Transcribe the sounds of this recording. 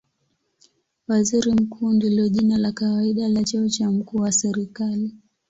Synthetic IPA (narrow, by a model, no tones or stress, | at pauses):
waziɾim̩kuːndilɔʄinalakawaiɗalat͡ʃaɔt͡ʃam̩kuːwasɛɾikali